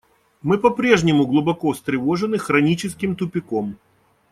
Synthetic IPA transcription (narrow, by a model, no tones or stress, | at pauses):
mɨpɐpɾʲeʐnʲɪmʊɡlˠʊbɐkost̪ɾʲɪvoʐɨnɨxɾɐnʲit͡ɕɪskʲɪmt̪ʊpʲɪkom